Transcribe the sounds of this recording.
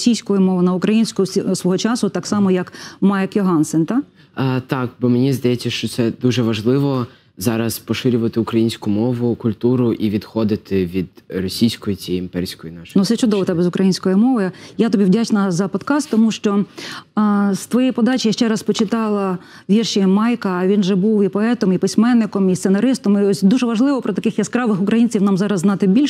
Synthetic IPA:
sʲijsʲkɔjʊmɔʋʊnɐʊkɾɐjinʲsʲkʊisʋɔɦɔt͡ʃɑsʊt̪ɑksɑmɔjɐkmɑjkjɔɦɑnsɪnt̪ɑ | t̪ɑkbɔmenʲizd̪ɐjɛt͡sʲːɐʃt͡ʃɔt̪sɛd̪uʒɛʋɐʒlˠɪʋɔ | zɑɾɐspɔʃɪɾʲʊʋɐt̪ɪʊkɾɐjinʲsʲkʊmɔʋʊkʊlʲt̪uɾʊʔiʋʲid̪xɔd̪ɪt̪ɪʋʲid̪rɔsʲijsʲkɔjit͡sʲijimpɛrʲsʲkɔjinɑʃnut̪sɛt͡ʃʊd̪ɔʋɔt̪ɛbɛzʊkɾʔɐjinʲsʲkɔjimɔʋɔjjat̪ɔbʲiwdʲat͡ʃnɐzɐpɔd̪kɑst̪ːɔmuʃt͡ʃɔ | st̪ʋɔjɛjpɔd̪ɑt͡ʃʲɪjaʃt͡ʃɛɾɑspɔt͡ʃɪt̪ɑlˠɐ | ʋʲirʃɪmɑjkɐːʋʲinʒɛbuwipɔɛt̪ɔmipɪsʲmɛnːɪkɔmist̪senɐɾɪst̪ɔmiɔsʲd̪uʒɛʋɐʒlˠɪʋɔpɾɔt̪ɐkɪxjɐskɾɑʋɪxʊkɾɐjinʲt͡sʲiwnɑmzɑɾɐzːnɑt̪ɪbʲilʲʃ

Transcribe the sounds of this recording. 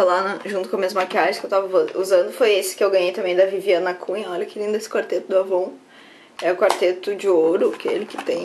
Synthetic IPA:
alanɐʒũnt̪ʊkõmiɐzmakʲɪaʒɪskewt̪avɐvouzɐ̃nd̪ʊfojesɪ̥kɪewɡɐ̃ɲejt̪ɐ̃mẽj̃d̪ɐviviɐnɐkʰũɲɐɔʎɐkɪɾĩnd̪ʊesɪ̥kwaɾt̪et̪ʊd̪ʊavõw̃ | ɛʊkwaɾt̪et̪ʊd͡ʒɪoɾʊkɪḛlɪkɪ̥t̪ẽj̃

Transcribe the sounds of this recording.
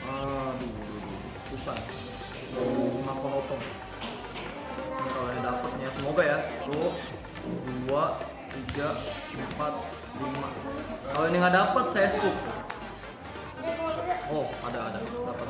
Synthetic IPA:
ədududulṵpusan | ulumakənɔt̪ɔŋ | nkaloinidapət̪̚ɲasəmoɡajat̪o | dua | t̪iɡa | əmpat̪̚ | lima̰kaloinɪŋadapat̪̚sajasə̥k̪u | ɔhadaːdadapat̪

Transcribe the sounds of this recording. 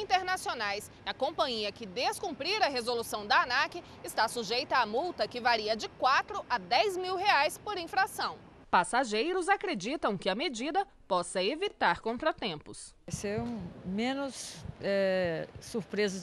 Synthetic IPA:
ĩnt̪eɾnasionajs | ɐkõmpɐ̃ɲiɐkɪd̪eskũmpɾiɾɐɦezolusɐ̃w̃d̪ɐanakɪ | ɪst̪asuʒejt̪ɐːmuwt̪ɐkɪvaɾiɐd͡ʒɪkwat̪ɾʊʔɐd̪ɛjzmiwɦeajspoɾĩfɾasɐ̃w̃ | pasaʒejɾʊzakɾed͡ʒit̪ɐ̃w̃kɪɐmed͡ʒid̪ɐ | pɔsɐevit̪aɾkõnt̪ɾɐt̪ẽmpʊs | seɾũmẽnʊsɛː | uɾpɾezɐ

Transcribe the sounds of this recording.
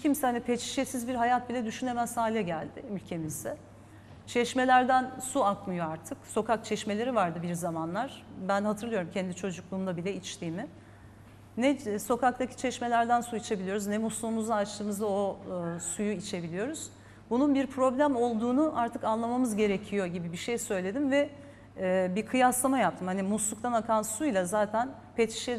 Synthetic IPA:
cʰimsɛhanʲɛpʰet͡ʃʰi̥ʃesizbiɾɦajat̪̚bilʲɛd̪yʃyne̞mæsaːlʲɛɟælʲd̪ɪylʲcʰe̞mizd̪ɛ | t͡ʃʰɛʃme̞lʲæɾd̪ænsuaklˠɯjo̞aɾt̪ʰɯkso̞kak̚t͡ʃʰɛʃme̞lʲe̞ɾivaɾd̪ɯbiɾzamanlˠaɾ̥bænhat̪ʰɯɾlˠɯjo̞ɾumcʰɛnd̪it͡ʃʰo̞d͡ʒuklˠuːmd̪abilʲɛit͡ʃt̪ʰiːmɪ | nɛso̞kak̚t̪ʰacʰi̥t͡ʃʰɛʃme̞lʲæɾd̪ænsuit͡ʃʰe̞bilʲijo̞ɾuznɛmuslˠuːmuzd̪aːt͡ʃt̪ʰɯːmɯzd̪ao̞sujuit͡ʃʰe̞bilʲijo̞ɾuz̥ | bununbiɾpʰɾo̞blʲæmo̞lˠd̪uːnuʔaɾt̪ʰɯkanlˠamamɯzɟe̞ɾecʰijo̞ɟibibiʃejsø̞jlʲe̞d̪imvɛː | bikʰɯjaslˠamajap̚t̪ʰɯmhanimuslˠuk̚t̪ʰanakʰansujlʲˠazaːt̪ʰæn | pʰet̪ʰi̥ʃɛ

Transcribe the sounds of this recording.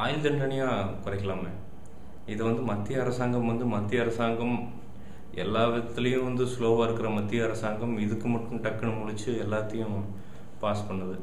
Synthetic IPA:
aːjɪld̪ɐɳɖɐɳɪjaːkʊɾɐɛɪkːɐɭaːmeː | ɪðɐʋɐnd̪ɯmɐt̪ːɪjɐːɾɐsaːŋɡɐmʋɐnd̪ɯmɐt̪ːɪjɐɐɾɐsaːŋɡɐm | ɛlːaːʋɐt̪ːɪlɐjʊ̃ʋɐnd̪ɯsloːʋaːɪɾɯkːɯɾɐmɐt̪ːɪjɐɪɾɐsaːŋɡɐmɪðɯkːɯmɐʈːɯ̃mʈɐkːɐɳɐmʊɻɪt͡ʃːɯɛlːaːt̪ːɐjʊ̃ | paːspɐɳːɐðɯ

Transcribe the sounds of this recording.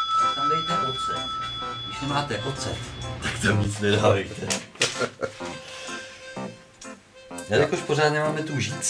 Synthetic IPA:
t̪amdɛjt̪ɛʔot͡sɛ̰ɡɪʃnɛmaːt̪ɛʔot͡sɛ̰t̪akt̪amɲɪt͡snɛdaːbɛjt̪ʰɛ | jalɪkoʃpoɾaːt̪nɛmaːmɛt̪uʒiːt͡s

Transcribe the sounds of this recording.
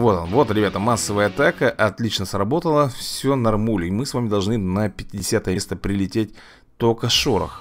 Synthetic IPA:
vo̞t̪nvo̞t̪ɾʲɪbʲat̪əmasːəvəjəɐt̪akəʔɐt̪lʲit͡ɕnəsrɐbo̞t̪əlˠəfsʲonɐrmulʲɪmɨsvamʲɪd̪ɐlˠʐnɨnəpʲɪtʲɪdʲɪsʲat̪əjəst̪əpɾʲɪlʲɪtʲet̚ʲ | t̪okəʂoɾə̰x

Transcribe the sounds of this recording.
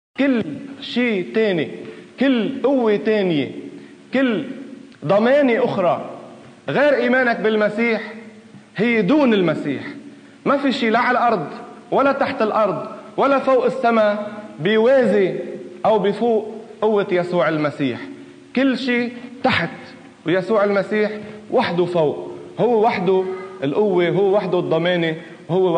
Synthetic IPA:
kɪlːʃiːt̪eːnikɪlːʔʊwːet̪eːnjḛ | kɪlː | d̪ˤɑmeːneʔʊxɾˤɑ | ɣeːɾʔiːmeːnakbɪlmasiːħ | hɪjːd̪uːnɪlmasiːħ | mafiʃiːlaʕalʔɑɾˤd̪ˤwalːat̪aħt̪ɪlʔɑɾˤd̪ˤwalːafoːʔɪsːamabɪjweːziʔawbɪfuːʔːʊwːɪjasuːʕɪlmasiːħ | kɪlːʃiːt̪aħt̪ | wjasuːʕɪlmasiːħwaħd̪ufoːʔhʊwːewaħd̪uɪlʔʊwːeɦʊwːwaħd̪ud̪ˤːɑmeːni | whʊwːe

